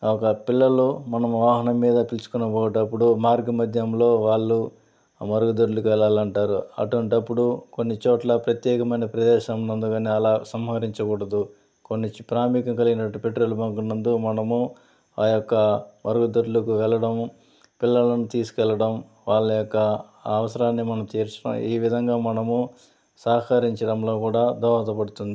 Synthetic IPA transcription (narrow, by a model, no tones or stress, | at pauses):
ɔkɐpilːɐlumɐnɐmʋaːɦɐnɐmːiːd̪ɐpilsu̥kunɐbɔːʋɐʈɐpːuɽumaːɾɡɐmɐd̪ʱjɐmlo̞ːʋaːɭːu | mɐɾuɡud̪ɐɾulukʋɛlaːlɐɳʈaːɾuɐ̰ʈuʋɐɳʈɐpːuɽuko̞nːit͡ʃoːʈlɐpɾɐt̪jɛːkɐmɐjnɐpɾɐd̪ɛːʃɐmnɐnd̪uɡaːniːɐlaːsɐmɦɐɾiɲt͡ʃɐkuːɽɐd̪u | konːipɾaːmikɐŋkɐliɡinɐʈːupe̞ʈɾoːlubɐŋkunːɐnd̪umɐnɐmu | ajokːɐmɐɾuɡud̪ɐɾulɐkuʋɛlːɐɽɐm | pilːɐlɐnut̪iːsu̥kɛlːɐɽɐm | ʋaːɭːɐjɔkːɐː | ɐʋɐsɐɾaːnːimɐnɐmt̪iːɾt͡ʃɐna̰ːmiːʋid̪ʱɐŋɡaːmɐnɐmu | saːkɐɾiɲt͡ʃɐɽɐmlo̞ːkuːɽaːd̪ʱɔːʋɐt̪ɐpɐɽut̪und̪i